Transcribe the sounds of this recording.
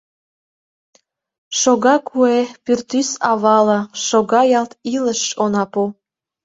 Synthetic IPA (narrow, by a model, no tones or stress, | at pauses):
ʃoɣɑkʰuepyrt̪ysɑβɑlɑʃoɣɑjɑlt̪iləʃonɑpu